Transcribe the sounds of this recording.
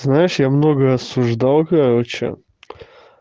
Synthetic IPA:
znaɪʂjamno̞ɡəɐsʊʐd̪ɑlˠkɐɾo̞t͡ɕɪ̰

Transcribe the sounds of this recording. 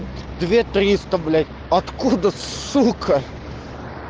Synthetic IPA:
d̪vʲet̪ɾʲist̪ɐblʲæt̪ʲ | ɐt̪kud̪əssukʰə

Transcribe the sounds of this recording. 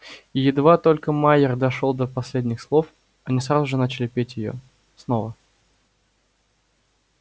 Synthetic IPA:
jɪd̪vat̪o̞lʲkəmajɪrd̪ɐʂolˠd̪əpɐsʲlʲedʲnʲɪxslˠo̞f | ɐnʲisɾazʊʐɨnat͡ɕɪlʲɪpʲetʲjɪjo̰ | snovə

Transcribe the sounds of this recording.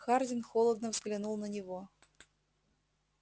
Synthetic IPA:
xɑrdʲɪnxolˠəd̪nəvzɡlʲinulˠnənʲɪvo

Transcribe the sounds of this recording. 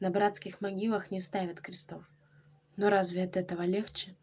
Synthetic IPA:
nɐbɾat̪skʲɪxmaɡʲilˠəxnʲɪst̪avʲɐt̪kɾʲɪst̪of | nɔɾazvʲɪɐt̪ɛt̪əvɐlʲext͡ɕɪ

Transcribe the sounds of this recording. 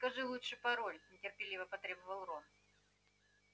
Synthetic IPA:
skɐʐɨlˠutʂɨpɐɾolʲnʲɪtʲɪrpʲɪlʲivəpɐt̪ɾʲɛbəvəlˠron

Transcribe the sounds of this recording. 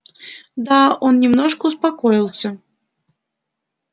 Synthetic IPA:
d̪aɔnnʲɛmnɔʂkəuspakɔjilˠsʲɐ

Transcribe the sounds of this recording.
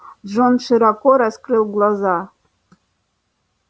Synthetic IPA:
ʐonʃɨɾɑkoɾɑskrɨlˠɡlˠɑzɑ

